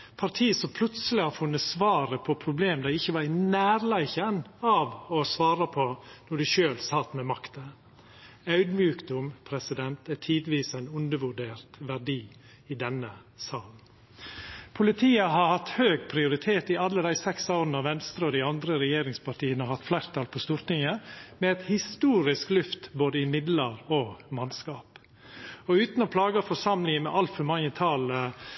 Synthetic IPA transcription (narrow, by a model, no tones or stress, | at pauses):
pʰɑɾʈʰiːəsɔmpʰlʉt̪səlɪhɑɾfʉnːət̪sʋɑːɾəpʰɔpʰɾʊbleːmd̪æɪɪçːəʋɑɾɪnæːɾlæɪçənɑʋɔsʋɑːɾəpʰɔnɔɖɪʃøːlsɑt̪ːmɛmɑkt̪ə | ɑʉd̪mjʉːkd̪ʊmpʰɾɛsɪd̪ɛnt̪æʈʰiːd̪ʋiːsæɪnʉnd̪əʋʉɖeːɾt̪ʋæɖiː | ɪd̪ɛnːə | sɑːln̩ | pʰʊlɪt̪ʰiːəɦɑɾhɑt̪høːɡpʰɾɪʊɾɪt̪ʰeːt̪ɪɑlːəd̪æɪsɛksoːɾnəɑʋɛnst̪ɾəɔd̪ɪɑnd̪ɾəɾɛjeːɾɪŋspɑʈiːənəɔhɑt̪flæɪɾt̪ʰɑːlpʰɔst̪uːɾt̪ɪŋəmɛɛt̪hɪst̪uːɾɪsklʉft̪boːd̪əɪmɪd̪ləɾɔmɑnskɑːp | ɔʉːt̪nɔpʰlɑːɡəfɔʂɑmlɪŋəmɛʔɑlt̪fœmɑŋːət̪ʰɑːl